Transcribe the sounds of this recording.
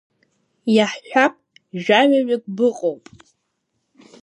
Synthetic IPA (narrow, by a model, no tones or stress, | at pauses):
jaħʃʷᶣapʼ | ʒᶣaɥaɥak̚ʷʼbɨqʼowpʼ